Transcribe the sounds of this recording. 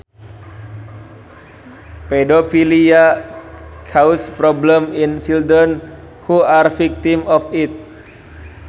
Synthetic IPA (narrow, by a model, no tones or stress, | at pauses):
pɛdofilia | kʰawspɾɔbləminsildən | huarfik̚t̪imɔfit̪̚